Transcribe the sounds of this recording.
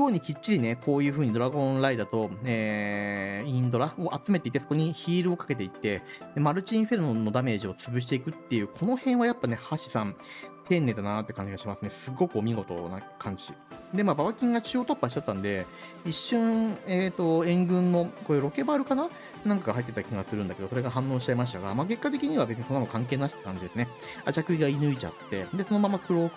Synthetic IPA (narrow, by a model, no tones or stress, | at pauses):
joːɲ̟ikʲit͡ɕːiɾʲine̞kʰo̞ːjɯ̟ːɸɯ̟ːɲ̟id̪o̞ɾaɡõ̞nɾaid̪at̪o̞eː | ĩnd̪o̞ɾaoʔat͡sɨme̞t̪e̞it̪ːe̞sokoɲ̟içiːɾɯ̟o̞kḁke̞t̪̬e̞it̪ːe̞d̪e̞maɾɯ̟t͡ɕĩɰ̃ɸe̞ɾɯnonːo̞d̪ame̞ːʑio̞t͡sɨbɯ̟ɕ̬i̥t̪e̞ikɯ̟t̪ːe̞jɯ̟ːkʰo̞no̞hẽ̞ɰ̃βajapːane̞haɕi̥sãnt̪ʰẽ̞nːe̞d̪anat̪ːe̞kãɲ̟d͡ʑiɡaɕimasɨne̞sɨɡːo̞kɯ̟omʲiɡo̞t̪o̞̰na̰kʰãɲ̟d͡ʑi | d̪e̞mabaβakʲĩŋɡat͡ɕɨːot̪o̞pːaɕit͡ɕat̪ːãnd̪e̞ | iɕːõɰeːt̪o̞ẽ̞ŋɡɯ̟̃nːo̞ko̞iɾo̞ke̞baːɾɯ̟kana | nãŋkaɡaɦait̪ːet̪akʲiɡasɨɾɯ̟nd̪ake̞d̪o̞soɾe̞ɡaɦãnːõ̞ːɕi̥t͡ɕaimaɕi̥t̪aɡamake̞kːat̪̬e̞kʲiɲ̟iβabe̞t͡sɨɲ̟isonːmakãŋk̬e̞ːnaɕi̥t̪ḁkãɲ̟d͡ʑid̪e̞sɨne | at͡ɕakɯ̟iɡainɯ̟it͡ɕa̰t̪ːe̞d̪e̞so̞no̞mãmːakɯ̟ɾo̞ːk